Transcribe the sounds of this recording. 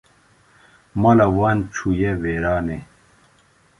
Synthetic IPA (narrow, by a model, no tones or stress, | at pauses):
mɐlɐwant͡ɕʰujeweɾaːne